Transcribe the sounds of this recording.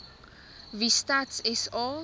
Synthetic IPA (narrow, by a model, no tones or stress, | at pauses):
vistatsɪsɔ